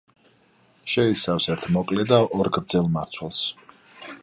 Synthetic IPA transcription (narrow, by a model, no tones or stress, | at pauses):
ʃɛisafsɛɾt̪ʰmɔkʼlɛd̪aʔɔɾɡɾd̪zɛlˠmaɾt̪sʰwɛlˠs